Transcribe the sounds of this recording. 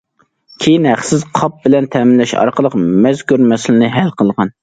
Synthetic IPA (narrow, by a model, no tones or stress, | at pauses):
kʲʰijinhæχsɪzqʰɑp̚bɪlɛnt̪ʰɛːmɪnlɛʃɑ̰ɾqəlˠəqmɛzkuɾmɛsɪlɪnɨɦɛlqʰəlˠʁɑn